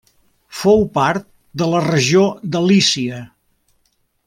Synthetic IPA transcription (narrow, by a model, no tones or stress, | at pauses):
fowpaɾt̪̚ | d̪ələrəʒiod̪əlisiə